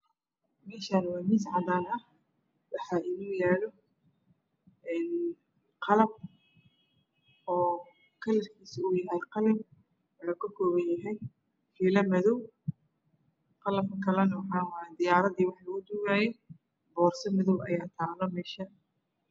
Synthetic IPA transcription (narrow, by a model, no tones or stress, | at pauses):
mɛːʃaːnwɑːmɪsʕɑd̪aːnɐh | wɑħɑːʔɪnuːjaːlɔ | ʔɛːn | qʰɑlɐb̚ | ʔɔː | kʰɐlɐrkʰiːsʊjɐɛjqɑlɐb | ɛɐkʰɐkʰɔːβɐnjɐɦɛj | fiːlɐmɐðɔw | qɑlɐbkʰɐlɛnɐwɑħɑːwɑːjɛd̪ɪjaːɾɐðiːwɑħlɐɣʊd̪ʊɣaːjɛ | bɔːrsɐmɐðɔwʔɐjaːt̪ʰaːlɔmɛːʃa